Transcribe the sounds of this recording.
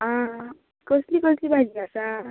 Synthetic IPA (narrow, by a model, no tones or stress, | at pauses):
ʌ̃ | kʌslikʌslibʱad͡ʒibʱasa